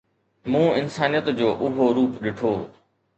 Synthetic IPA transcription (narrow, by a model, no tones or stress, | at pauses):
mũːɪnsaːnijət̪d͡ʑoːʔʊɦoɾuːpɗɪʈʰoː